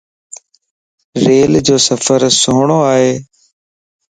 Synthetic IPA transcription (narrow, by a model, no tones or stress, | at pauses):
ɾeːld͡ʑoːsəfəɾsoːɳ̃oːaːɦeː